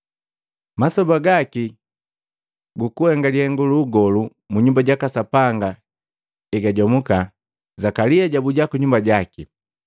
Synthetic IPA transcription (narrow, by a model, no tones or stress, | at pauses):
masɔbaɡaki | ɡukuhɛŋɡalihɛŋɡuluːɡɔlu | muɲumbaɟakasapaŋɡa | iɡaɟɔmuka | zakaliaɟabuɟakuɲumbaɟaki